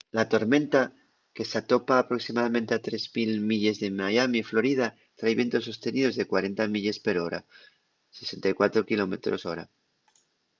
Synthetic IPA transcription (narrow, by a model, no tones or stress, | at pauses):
lat̪o̞ɾmẽ̞nt̪a | ke̞sat̪o̞paːpɾo̞ksimað̞amẽnt̪eat̪ɾe̞zmilmiʎe̞zðe̞majamiːflo̞ɾið̞a | t̪ɾajβje̞nt̪o̞sːo̞st̪e̞nið̞o̞zðe̞kwaɾe̞nt̪amiʎe̞spe̞ɾo̞ɾa̰ | se̞se̞nt̪ajkwat̪ɾokilo̞met̪ɾo̞̰so̞ɾa̰